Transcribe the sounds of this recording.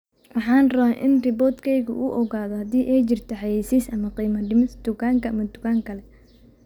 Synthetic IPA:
wɑħɑːnrɐɛʔɪ̰nrɪbɔːt̪kʰɛjɣʊ̰ʔuːʔɔɣaːðɔhɐd̪iːʔɛjt͡ʃɪrt̪ʰɔħɑjɛjsisʔɐmɐqiːmɐɖɪmɪt̪d̪̥ʊkaːŋkʰɐɐmɐd̪ʊkaːŋkʰɐlɛ

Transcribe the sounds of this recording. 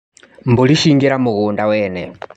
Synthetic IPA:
mbuliʃiŋɡɛɾamuɣundawɛːnɛ

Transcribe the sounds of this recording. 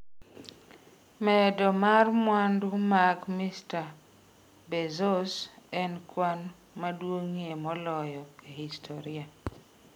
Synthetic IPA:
mɛdɔmarmwandʊmakmista | bezosɛnkwan | madwoŋiemɔlɔjɔkehistʰoɾia

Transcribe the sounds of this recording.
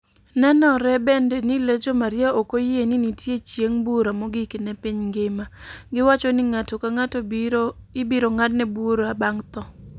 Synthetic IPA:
nɛnɔɾɛbendɛniled͡ʒomaɾɪaʔokojeninitjet͡ʃjeŋbuɾamɔɡikenɛpiɲŋɡɪmaɡɪwat͡ʃɔnɪŋatokaŋato | ɪbɪɾoŋadnɛbuɾoabaŋt̪ɔ

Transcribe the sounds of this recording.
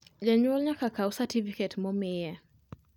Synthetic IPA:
d͡ʒaɲwɔlɲakakausatifikɛtmɔmɪjɛ

